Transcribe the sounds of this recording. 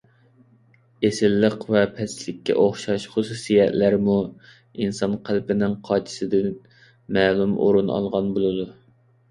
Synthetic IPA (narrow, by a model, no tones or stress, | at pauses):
esɪlːəqvɛpʰɛslɪkʲːɛ̰ʔoχʃɑʃχʊsusijɛt̪læɾmu | insɑnqʰælpɪnɪŋqʰɑːt͡ʃʰi̥sɪd̪ɪn | mɛːlˠumo̰ɾunɑ̰lˠʁɑnbolˠɨd̪u